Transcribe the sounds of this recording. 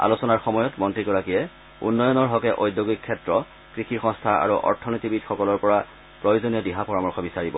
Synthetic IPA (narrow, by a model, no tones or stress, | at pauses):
a̰losɔnaɹxɔmɔjɔtmɔntɹikɔɹakijɛ | ṵnːɔjɔnɔɹɦɔkɛʔojdjoɡikʰːɛtɹɔ | kɹixiɹxɔ̃ŋstʰaa̰ɹuʔɔ̰ɹtʰɔnotibidxɔkɔlɔɹpɔɹa | pɹojozonijɔdiɦapɔɹamɔɹxɔbisaɹibɔ